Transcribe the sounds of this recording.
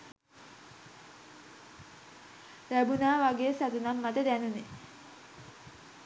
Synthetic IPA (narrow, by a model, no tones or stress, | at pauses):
ɾæbunaːʋaɡeːsat̪unamːat̪əd̪ænune